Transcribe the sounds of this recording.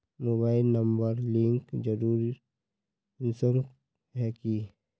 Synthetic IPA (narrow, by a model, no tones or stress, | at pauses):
moːbaːɪlnəmbəɾlɪ̃ŋkd͡ʒəɾuːɾi | ɪsəɾ | ɦɛki